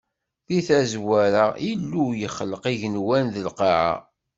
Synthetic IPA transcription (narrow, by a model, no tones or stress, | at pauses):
θiθæzwæɾailːujəχləqiʝənwænðəlqɑʕa̰